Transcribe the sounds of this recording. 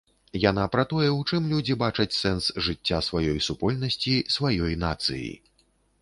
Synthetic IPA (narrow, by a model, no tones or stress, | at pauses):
jan̪apɾɐt̪ɔjɛwt͡ʂɨmlʲud͡zʲibat͡ʂɐt͡sʲsɛnsʐɨt͡sʲːasvajɔjsupɔlʲnɐsʲt͡sʲisvajɔjnat̪sɨ̰jḭ